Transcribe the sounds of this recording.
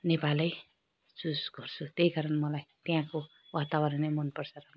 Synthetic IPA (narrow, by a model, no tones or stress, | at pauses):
nepalʌj | susɡʱʌrt͡sʰut̪eikaɾʌnmʌlajt̪jãko | wat̪awʌɾnemʌnpʌrt͡sʰʌɾʌm